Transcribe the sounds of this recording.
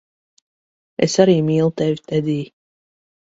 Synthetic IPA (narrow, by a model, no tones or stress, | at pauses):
ḛsaɾiːmiːlˠut̪ɛvʲi̥t̪ɛd̪iː